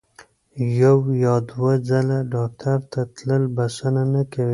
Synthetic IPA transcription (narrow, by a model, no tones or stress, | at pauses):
jawjɑd̪wad͡zalaɖɑk̚tʰaɾt̪ʰat̪ləlbasananakawi